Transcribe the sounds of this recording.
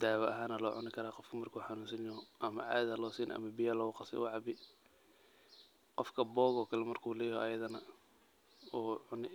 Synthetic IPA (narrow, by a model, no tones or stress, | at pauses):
d̪̥aːwɐʔɐɦaːnɐlɔːʕʊnɪkʰɐɾaːqɔfkʰɐmɐrkʰuːħɑnuːnsɐnjɔɦʔɐmɐ̰ʕa̰ːðɐlɔːsiːnʔʔɐ̰mɐbɪjɐlɐɣʊqɑsɛ̰wɑʕɑbɪ | qɔfkʰɐbɔːɣɔːkʰɐlɛmɐrkʰuːlɛːjʔɐjɐðɐnɐ | ʕʊnɪ